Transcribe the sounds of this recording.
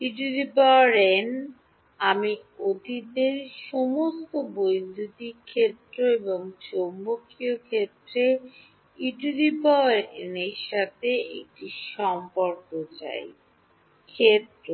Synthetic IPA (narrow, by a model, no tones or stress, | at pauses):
iʈulipɔɾen | amiod̪ʱit̪eɾʃɔmost̪obojd̪ʱut̪ikʰːet̪ːɾoeboŋt͡ɕombokʰːiokʰet̪ːɾe | iʈulipɔɾḛneɾʃat̪ʰeḛk̚ʈiʃɔmpoɾkot͡ɕa̰j | kʰet̪ɾo